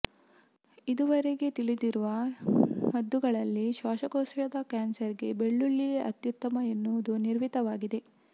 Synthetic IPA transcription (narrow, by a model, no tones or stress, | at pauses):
id̪uʋɐɾe̞ɡe̞t̪iɭid̪iɾuʋɐ | mɐd̪ːuɡɐɭɐlːiʃʋaːʃɐkosjɐd̪ɐkaːnsɐɾiɡe̞beɭːuɭːiʔɐt̪jut̪ːɐmɐenːuʋud̪uniɾʋit̪ɐʋaːɡid̪e̞